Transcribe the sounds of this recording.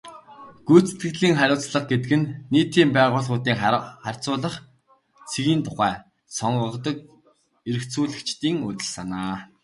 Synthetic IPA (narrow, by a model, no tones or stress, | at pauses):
ɡ̥ujʰt͡se̥t̪ɡɘ̆ɣɮiːŋχæɾʲʊːt͡sɮə̆χq̚ɡet̪̬ɘ̆kɘ̆nːiːt̪iːmpæːʁʊːɮʁʊːt̪iːŋχær̥ʲt͡sʊːɮə̆χ | t͡sʰeɣiːnt̪ʰʊχæː | sɔɴɢə̆qt̪ɞ̆k̚ | eɾɘ̆kt͡suːɮɘ̆kt͡ɕt̪iːŋʊt̪ɘ̆ɮsanaː